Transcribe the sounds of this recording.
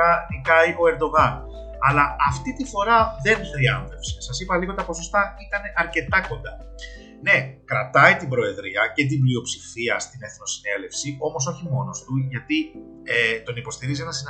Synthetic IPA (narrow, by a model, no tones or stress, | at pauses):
ɐnikɐiʔo̞e̞ɾd̪o̞ɣɐn | ɐlɐɐft̪it̪ifo̞ɾɐðe̞nxɾiɐnðe̞fsesɐsipɐliɣot̪ɐpo̞so̞st̪ɐit̪ɐne̞ʔɐɾce̞t̪ɐko̞nd̪ɐ | ne̞kɾɐt̪ɐit̪ibɾo̞e̞ðɾiɐcet̪̬imblio̞psifiɐst̪ine̞θno̞sine̞le̞fsio̞mo̞s̬o̞çimo̞no̞st̪uʝɐt̪i | et̪o̞nipo̞st̪iɾiz̬enɐsin